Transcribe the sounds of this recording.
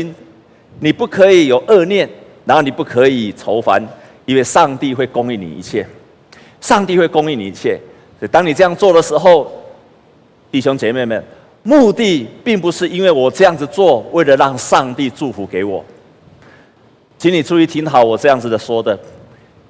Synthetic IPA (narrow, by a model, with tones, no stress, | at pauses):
n | ni˨˩pu˥˩kʰɤ˧˦˥i˨˦jo˨˩ʊʔə˥˧njɛ˥˩nna˨˩nho˥˩ʊni˨˩pu˥˩kʰɤ˧˦i˨˩t͡sʰo˧˦ʊfa̰˦n | i˦nwe˥˧ɪʂɑ˥˧ŋt̪i˥˧xwe˥˩ɪko˦ŋi˥˩nḭ˨˩ḭ˧t͡ɕʰjɛ˥˩ | ʂɑ˥˧ŋt̪i˥˧we˥˩ɪko˥ŋi˥˩˨nḭ˨i˧t͡ɕʰjɛ˥˩ | sɔ˧˥i˨˩t̪ɑ˥ŋni˨˩t͡sɤ˥˧jɑ˥˧ŋt͡swɔ˥˩d̪ə˩ʂɻ̩˧˥ɦo˥˨ʊ | t̪i˥˩ɕjo˥˦ŋt͡ɕjɛ˨˩me˥˩ɪmə˨˩n | mu˥˧t̪i˥˧pi˥˩ŋpu˧˦ʂɻ̩˥˧i˥nwe˥˩ɪwɔ˨˩t͡sɤ˥˧jɑ˥˩ŋd͡z̩˨˩t͡swɔ˥˨we˥˩ɪlə˩ɻɑ˥˧ŋʂɑ˥˧ŋt̪i˥˧ʈ͡ʂu˥˩fu˨˦ke˧˥ɪwɔ̰˨˩ | t͡ɕʰi˧˦ni˨ʈ͡ʂʰu˥˦i˧˨˩t̪ʰi˧˥ŋɦɑ˨˦ʊwɔ˨˩t͡sɤ˥˧jɑ˥˩ŋd͡z̩˨d̪ə˨swɔ˦d̪ə˨